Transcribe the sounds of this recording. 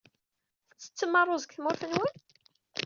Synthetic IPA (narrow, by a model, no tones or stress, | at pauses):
θət͡sːə̥t͡sːəmɑrˤːozəkθmʊɾθənwən